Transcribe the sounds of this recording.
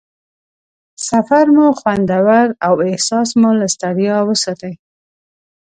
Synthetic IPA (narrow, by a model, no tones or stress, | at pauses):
safaɾmoxwand̪awaɾawɪhsɑsmʊlast̪aɽijɑwəsɑt̪aj